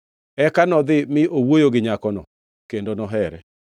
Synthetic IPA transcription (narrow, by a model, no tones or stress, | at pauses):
ɛkanɔðɪmɪʔowojoɡɪɲakɔnɔ | kendonɔɦɛɾɛ̰